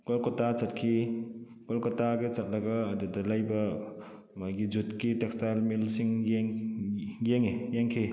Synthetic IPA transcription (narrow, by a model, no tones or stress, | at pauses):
kɔlkɔtat͡ʃɐt̚kʰi | ɡɔlkɔtaɡet͡ʃɐt̚lɐɡɐːdudɐlajbɐ | majɡid͡ʒutkitek̚stajlmilsiŋjeŋ | jeŋijeŋkʰi